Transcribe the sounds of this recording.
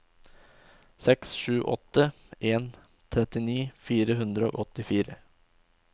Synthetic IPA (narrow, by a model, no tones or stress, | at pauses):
sɛksʃʉːʔɔ̰t̪ːə | ʔeːn | t̪ʰɾɛt̪ɪniːfiːɾəɦʉnd̪ɾəo̰ːʔɔt̪ɪfiːɾə